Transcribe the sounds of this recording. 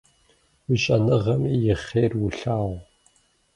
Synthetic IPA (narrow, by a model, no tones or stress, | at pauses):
wʊɕʼɐnɨʁɐmiːjɪχeːrwʊɬaːʁʷ